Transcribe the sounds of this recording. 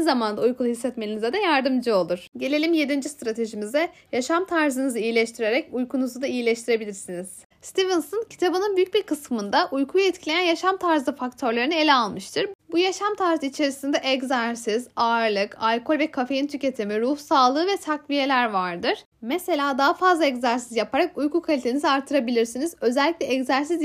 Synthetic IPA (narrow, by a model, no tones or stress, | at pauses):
zamand̪aujkʰulˠuhisːɛt̪melʲinizɛd̪ɛjaɾd̪ɯmd͡ʒɯo̞lˠuɾ̥ɟe̞lʲe̞lʲimje̞d̪ind͡ʒist̪ɾat̪ʰe̞ʒimizɛjaʃamt̪ʰaɾzɯnɯzɯijilʲɛʃt̪ʰiɾe̞ɾɛcujkʰunuzud̪aijilʲɛʃt̪ʰiɾe̞bilʲiɾsiniz̥ | st̪ʰivɯnsoncʰi̥t̪ʰabɯnɯnbyjyc̚biɾkʰɯsmɯnd̪aʔujkʰujɛt̪cʰilʲejænjaʃamt̪ʰaɾzɯfakt̪ʰø̞ɾlʲˠaɾɯnelʲɛalˠmɯʃt̪ʰɯɾbujaʃamt̪ʰaɾzɯit͡ʃʰe̞ɾisind̪ɛʔɛɡzaɾsizaɾlˠɯkʰalʲkʰo̞lʲvɛkʰafe̞jint̪ʰyce̞t̪ʰimiɾuhsaːlˠɯːvɛt̪ʰakvije̞lʲæɾvaɾd̪ɯɾ̥ | mɛse̞lʲaːd̪aɦafazlˠaɛczaɾsizjapʰaɾakujkʰukʰalʲit̪ʰenizaɾt̪ʰːɯɾabilʲiɾsinizø̞zɛlʲːiclʲɛɛɡzæɾsiz